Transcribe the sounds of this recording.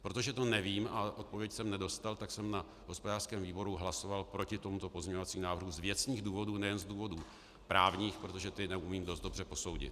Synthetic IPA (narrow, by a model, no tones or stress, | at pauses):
pɾo̞t̪o̞ʒɛt̪o̞nɛviːmaʔo̞t̪̚po̞vjɛcsɛmnɛdo̞st̪alt̪aksɛmna | ɦo̞spo̞daːr̥skɛːmviːbo̞ɾuɦlaso̞valpɾo̞cɪt̪o̞mut̪o̞pozɲɛɲovat͡siːmnaːvr̩ɦuzvjɛt͡sɲiːɣduːvo̞duːnɛjɛnzduːvo̞duː | pɾaːvɲiːxpɾot̪oʒɛt̪ɪnɛʔumiːmdo̞st̪do̞brɛpo̞sowɟɪ̰t̪